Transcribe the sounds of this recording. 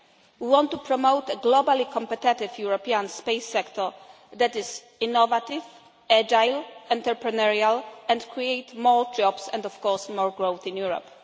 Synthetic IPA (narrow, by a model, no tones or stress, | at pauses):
wiwɔ̃nt̪ːupɾɔmowt̪ɛɡlɔbalikʰɔ̃mpɛt̪ɪt̪ɪvjuɹɔpiãnspejsːɛkt̪ʰɔɹ | d̪ɛt̪ɪz | inɔvat̪iv | ɛd͡ʒajlɛ̃nt̪ɛɾpɾɛnaɹialɛ̃ndkɹiejt̪mɔɹd͡ʒɔbsɛ̰̃nd̪ɔfkɔɹsmɔɹɡɹowθĩnjuɹɔ̰p